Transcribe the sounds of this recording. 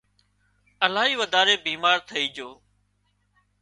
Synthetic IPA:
əlaːɦiːʋəd̪ʱaːɾeːbiːmaːɾt̪ʰəiːd͡ʒoː

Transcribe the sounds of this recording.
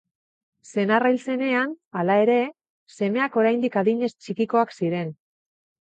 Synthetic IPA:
se̞narajlt͡se̞ne̞analae̞ɾe̞ | se̞me̞ako̞ɾajnd̪ikaðiɲe̞st͡ʃikiko̞aksiɾe̞n

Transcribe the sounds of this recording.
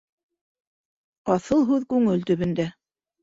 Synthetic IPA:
ɑθɤlˠɦʉðkʉŋɘlt̪ɵ̆βɘ̆nd̪æ

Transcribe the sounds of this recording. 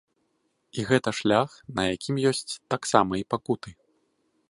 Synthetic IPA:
iɣɛt̪ɐʂlʲaxnɐjakʲimjɔsʲt͡sʲt̪aksamɐipakut̪ɨ

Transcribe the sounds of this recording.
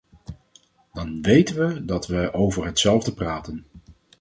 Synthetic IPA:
d̥ɑnʋejtənʋədɑtʋəʔowvəɹɦətsɛlˠvdəpraːtən

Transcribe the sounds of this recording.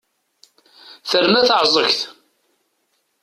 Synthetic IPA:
θəɾmæθəʕzˤəçθ

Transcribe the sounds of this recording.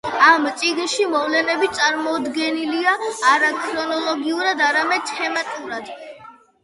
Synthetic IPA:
amt̪sʼiɡnʃimɔvlɛnɛbitt̪sʼaɾmɔd̪ɡɛniliaːɾakʰɾɔnɔlˠɔɡiuɾad̪aɾamɛd̪̥̚t̪ʰɛmat̪ʼuɾad̪

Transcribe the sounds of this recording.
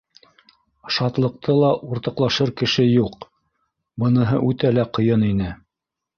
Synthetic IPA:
ʃɑt̪lˠɤ̆q̚t̪ʰɤlˠɑʔuɾt̪ɤ̆qlˠɑʃɤɾkɘ̆ʃɘjuq | bɤ̆nɤ̆ɦɤ̰ʔʉt̪ælæqɤ̆jɤninɘ

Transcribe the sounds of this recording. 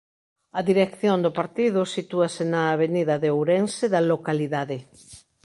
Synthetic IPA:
ɐðiɾekθjond̪ʊpaɾt̪ið̞ʊsit̪uasɪnɐːβeniðɐðeowɾensɪðɐlokaliðaðɪ

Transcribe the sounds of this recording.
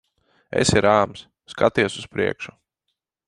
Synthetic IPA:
ḛsiɾaːms | skat̪iɛsuspɾiɛkʃu

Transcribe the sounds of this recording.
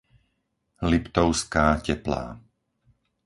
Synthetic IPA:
lipt̪ɔʊskaːcɛpla̰ː

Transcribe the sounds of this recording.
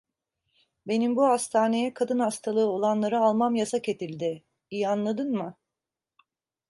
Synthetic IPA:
be̞nimbuhast̪ʰaːne̞jɛkʰad̪ɯnhast̪ʰalˠɯːo̞lˠanlˠaɾɯalˠmamjasace̞t̪ʰilʲd̪ɪ | ijianlˠad̪ɯnmɯ

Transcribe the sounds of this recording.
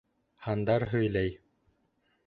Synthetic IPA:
hɑnd̪ɑɾɦɵ̆jlæj

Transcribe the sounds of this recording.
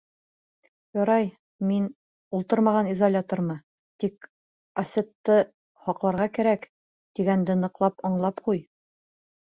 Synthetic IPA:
jɒɾɑj | min | ulˠt̪ɤɾmɑʁɑnizolʲat̪oɾmɤ | t̪ik | ɐsʲet̪ːɤ | hɒqlˠɑɾʁɑkæɾæk | d̪̥iɡænd̪ɘnɤ̆qlˠɑpɒɴlˠɑpquj

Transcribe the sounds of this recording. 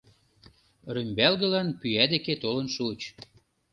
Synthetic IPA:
rymʲbælɣə̆lɑnpyæd̪eket̪olə̆nʃut͡ɕ

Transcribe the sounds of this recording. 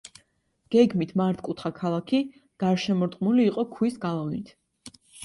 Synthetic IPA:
ɡ̥ɛɡmit̪ʰmaɾt̪ʰkʼut̪ʰχakʰalˠakʰi | ɡ̥aɾʃɛmɔɾt̪ʼqʼmuliːqʼɔkʰwisɡalˠavnit̪ʰ

